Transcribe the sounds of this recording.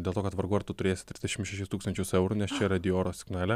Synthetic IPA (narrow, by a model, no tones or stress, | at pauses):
dʲelˠt̪oːkɐt̪ʋɐɾɡuːɐɾt̪ʊt̪ʊɾʲeːsʲɪt̪ʲɾʲɪzd̪ʲɛʃʲɪmʃʲɛʃʲɪst̪uːkst̪ɐnʲt͡ʃʲʊsɛʊɾʊnʲɛst͡ʃʲɛɾɐd̪ʲɪoːɾoːsʲɪ̥ɡnæːlʲɛ